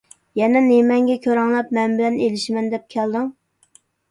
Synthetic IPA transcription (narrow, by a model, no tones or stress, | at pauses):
jɛnɛnemɛŋɡʲɛkʲʰøɾɑŋlˠɛp̚mɛnbɪlɛnelɪʃmɛnd̪ɛp̚kʲʰæld̪ɨŋ